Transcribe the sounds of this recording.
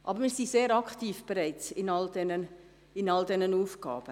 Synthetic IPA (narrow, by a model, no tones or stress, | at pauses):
ʔɑbəɾmiːɾzizeːɾɑkχtiːfb̥ɛɾaɪt͡sɪnɑldɛnən | ɪnɑldɛnənuːfɡ̥ɑ̰ːb̥ə